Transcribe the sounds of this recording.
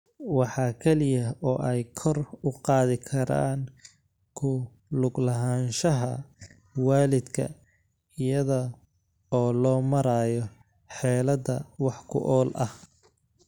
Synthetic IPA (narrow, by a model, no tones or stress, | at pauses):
wɑħɑːkʰɛlɪjɐɔːʔɛjkʰɔrʊqɑːðɪkʰɐɾa̰ːn | kʰʊ | lʊɡlɐɦaːnʃɐɦɐ | waːlɪd̪kʰɐ̰ | ɪjɐðɐ | ɔːlɔːmɐɾaːjɔ | ħɛːlɐdɐwɑħkʰʊ̰ʔɔːlʔɐh